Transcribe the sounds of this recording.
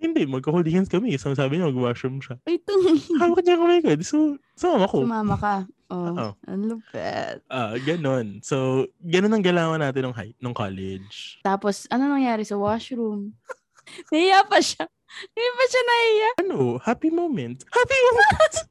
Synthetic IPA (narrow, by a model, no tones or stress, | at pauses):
hɪnd̪ɛmɐɡ̚kɐhʊld̪ihɐnkɐmɛsɐmɐsaːbɪɲɐmɐɡwaʃɹumʃɐʔojt̪oŋawɐk̚ɲɐŋkɐmɛjkod̪so | sʊmaːmɐkoʊmaːmɐkɐʔoʔoʔɐ̰nlʊpɛ̰t̪̚ʔaɡɐno̞nsoɡɐnonɐŋɡɐlaːwɐnaːt̪ɪnoŋɦa̰j̚noŋka̰lɛd͡ʒt̪aːposʔɐnonɐŋjaːɾɛsɐwaʃɾum | nɐhɪjapɐʃa | d̪ipɐʃanɐʔɪjaʔɐnohaːpimowmɛnt̪̚hapimomɛn